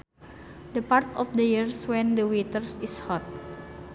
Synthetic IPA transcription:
dəpart̪ɔfdəjirswɛ̃ndəwit̪ərsishɔt̪̚

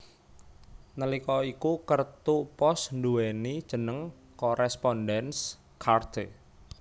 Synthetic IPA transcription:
nəlikɔikukərt̪upɔsnduwɛnid̥ʒ̥ə̤nəŋ | kɔɾɛspɔndɛns | kʰart̪e

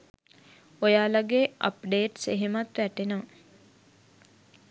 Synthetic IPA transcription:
ojaːlaɡeə̰pɖeːʈseɦemat̪ʋæʈenəʋə

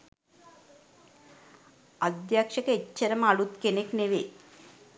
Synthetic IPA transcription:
ɐd̪jaːkʂɐkɐet͡ʃːɐɾɐmaɽut̪̚kenekneʋe

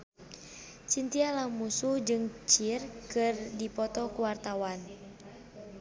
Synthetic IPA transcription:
t͡ʃint̪ialaŋmusuhd͡ʒɨŋt͡ʃirkɨrdipɔt̪ɔkuwart̪awan

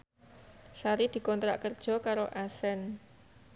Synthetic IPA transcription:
saɾid̪̥i̤kɔnt̪ɾa̰ʔkərd̥ʒ̥ɔ̤kaɾoʔasɛn

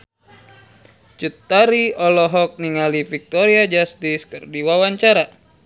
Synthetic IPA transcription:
t͡ʃut̪ːaɾiɔlɔɦɔk̚niŋalifik̚t̪ɔɾiad͡ʒast̪iskɨrdiwawaɲt͡ʃaɾa

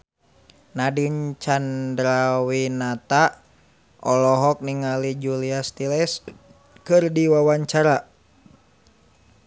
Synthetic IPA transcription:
nadiɲt͡ʃandɾawinat̪a | ʔɔlɔɦɔk̚niŋalid͡ʒuliast̪ilɛs | kɨrdiwawaɲt͡ʃaɾa

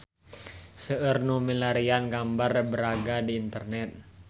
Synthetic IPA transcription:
səərnumilaɾianɡambarbəɾaɡadiːnt̪ərnɛt̪̚

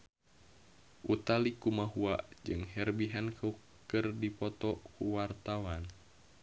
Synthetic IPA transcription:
ʔut̪alikumaɦuad͡ʒɨŋhɛrbiɦankə | kɨrdipɔt̪ɔkuwart̪awan

